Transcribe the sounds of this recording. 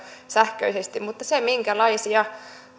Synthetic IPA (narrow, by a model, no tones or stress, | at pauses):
sæhkø̰isest̪immut̪ːɑsemiŋkælɑisiɑ